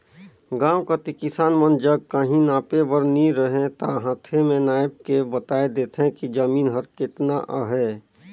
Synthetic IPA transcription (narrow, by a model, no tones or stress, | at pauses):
ɡãːwkat̪ikɪsaːnmənd͡ʒəɡ̚kaɦĩnaːpebəɾnĩɾəɦẽt̪aɦãːt̪ʰemẽnaːɪb̚kebət̪aːed̪eːt̪ʰɦẽkid͡ʒəmiːnɦəɾkɪt̪naʔaɦɛː